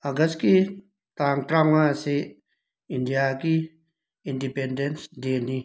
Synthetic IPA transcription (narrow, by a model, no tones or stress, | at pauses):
aɡəski | t̪aŋt̪ɾamase | indijaki | indipendensd̪eni